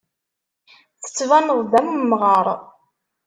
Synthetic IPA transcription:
θə̥t͡sːvænəðˤðæmumːʁɑɾˤ

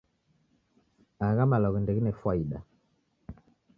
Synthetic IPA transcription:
aɣamalɔɣndɛɡinɛfwaiɗa

